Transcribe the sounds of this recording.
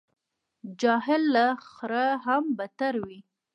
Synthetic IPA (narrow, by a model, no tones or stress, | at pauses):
d͡ʒɑɦɪlːaxɾaɦambat̪aɾwi